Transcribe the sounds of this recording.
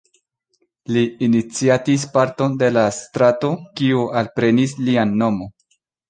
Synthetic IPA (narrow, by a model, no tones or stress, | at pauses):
liːnit͡siatispaɾto̞nde̞lastɾato̞kiualpɾenislianːo̞mo̞